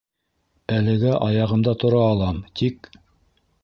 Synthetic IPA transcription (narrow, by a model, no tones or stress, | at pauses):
ælɘ̆ɡæʔɑjɑʁɤ̆md̪ɑt̪ŏɾɑːlˠɑmt̪ʰik̚